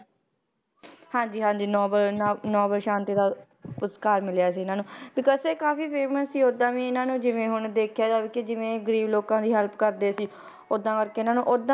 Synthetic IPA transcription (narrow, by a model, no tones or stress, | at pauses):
hãːɲd͡ʒiːɦãːɲd͡ʒiːnɔːbəlːnɔːbəlʃãːnt̪iːd̪aː | pʊskaːɾmɪljaːs̬iːɪnãːnũːbɪkɔːzseːkaːfiːpʰeːməsːiːod̪ãːʋĩːɪnãːnũːd͡ʒɪʋẽːɦʊɳd̪eːkʰjaːd̪aːbikɪd͡ʒɪʋẽːɡəɾiːbloːkãːd̪iːɦəlpkəɾd̪eːsiː | od̪ãːkəɾkeːɪnãːnũːʔod̪ã